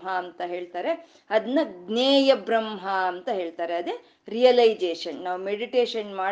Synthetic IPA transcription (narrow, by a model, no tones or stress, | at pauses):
ɦɐːnt̪ɐɦe̞ːɭt̪aːɾe̞ | ɐd̪ɐnːɐɡneːjɐbɾɐmɦɐɐnt̪ɐɦe̞ːɭt̪aːɾeɐd̪e | ɾijɐlɐjd͡ʒeːʂɐnnaːʋumeɖiʈeːʂɐnmaː